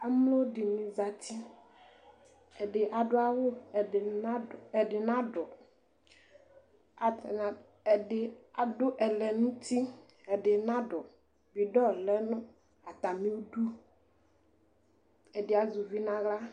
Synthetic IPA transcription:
a˨mlo˦ɖɪ˨mĩ˨za˨t̪ʰi˦ | ɛ˨ɖɪ˨ʔa˨ɖʊ˦a˦wʊ˦˨˦ | ɛ˨ɖɪ˨nã˦ɖɔ˨ | ɖɪ˨a˨dʊ˦ʔɛ˨lɛ˨nũ˦t̪i˦ | ɛ˨ɖɪ˨nã˦ɖɔ˨ | bi˨ɖɔ˦˨lɛ˦nʊ̃˦ | a˨t̪a˨mĩ˦wu˦ɖu˦ | ɛ˨ɖɪ˦a˨zu˨vi˦nã˦ɣla˦

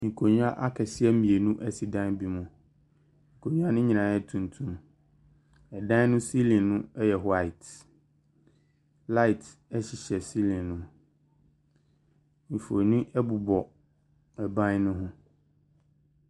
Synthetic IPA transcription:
nĩ˨kʰo˨ɲũ˦a˦ʔa˦kʰɛ˨sɪ˦ɛ˦mĩ˨e˨nũ˦ʔɛ˦si˨dã˦n˦bi˦mʊ̃˨ | ĩ˨kʰo˨ɲũ˦a˦nʊ̃˦ɲĩ˨nã˨ɛ˦tʰũ˨n˨tʰũ˦m | ɛ˨dã˦nʊ̃˦si˦lĩ˨nnʊ̃˦ɛ˦jɛ˨ɦa˦˨ɪ˨t | la˦ɪ˨t | ɛ˦ɕɪ˨ɕɛ˨si˦lĩ˨nnʊ̃˦ | n̩˨fo˨nĩ˦ʔɛ˦bu˨bɔ˨ | ɛ˨bã˦n˦nʊ̃˦ɦʊ̃˦

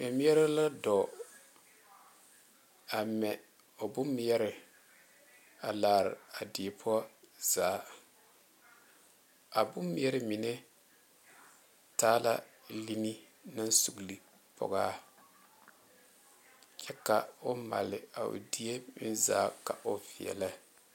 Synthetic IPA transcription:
m˨ɛ˨mɪ˦ɛ˦ɾa˦la˦dɔ˨ | a˨mɛ˨ | o˨bʊ˦mːɪ˦˨jɛ˦ɾɪ˨ | a˨laː˨ɾɪ̰˨a˨dɪː˨pʰʊ˦ɔ˦z̥aː˨˦ | a˨bʊ˦mːɪ˦jɛ˦ɾɪ˦mɪ˨nɛ˦ | taː˦la̰˦li˦ni˦na˦nsu˨ɡli˨ | pʰɔ̰˨ɣaː˦ | t͡ʃɛ˦ka˨ʊ˦ma̰˨lɪ˨a˨ʊ̰˨di˦e˦mɪ̰˦nza̰ː˦ka˨ʔo˦fɪ˨ɛ̰˨la˦

